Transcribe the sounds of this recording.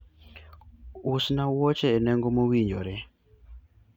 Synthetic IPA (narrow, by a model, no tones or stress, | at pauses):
usnawɔt͡ʃɛːnɛŋɡomowiɲd͡ʒo̰ɾɛ